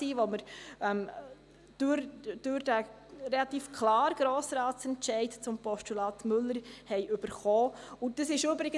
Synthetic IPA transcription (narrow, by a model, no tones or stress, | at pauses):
iːʋɔməɾɛm | d̥øɾd̥øɾd̥æ | ɾɛlɑt̪iːfkʰlɑːɾɡ̥ɾɔːsɾɑːtsɛntt͡ʃɛɪtt͡sʊmpɔʃtulɑːt̪mʏlːəɾhɛɪʔɵb̥əɾχɔːʊd̥əsɪʃʏbɾɪɡə